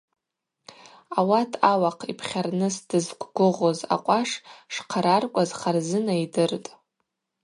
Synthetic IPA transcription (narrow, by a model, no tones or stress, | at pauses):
awatʰawaqʰipʰχʲarnɨsd̥ɨzɡʷʰʼɡʷʊʁoza̰qʷʼaʂʂqʰaɾarkʷʼazχarzɨnaidɨrtʼ